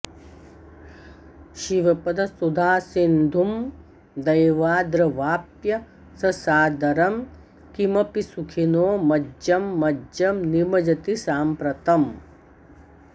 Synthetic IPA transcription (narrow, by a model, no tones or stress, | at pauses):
ʃiʋɐpɐd̪ʱɐsud̪ʱaːsind̪ʱum | d̪ɐjʋaːd̪ɾɐʋaːpjɐ | sɐsaːd̪ɐɾɐm | kimɐpisukʰinoːmɐd͡ʒɐmːɐd͡ʒɐmnimɐd͡ʒɐt̪isaːmpɾɐt̪ɐm